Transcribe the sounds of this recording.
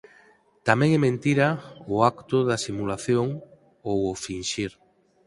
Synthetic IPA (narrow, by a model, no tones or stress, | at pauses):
t̪amẽŋɛmẽnt̪iɾaʊakt̪ʊðasimulaθjoŋ | owofinʃiɾ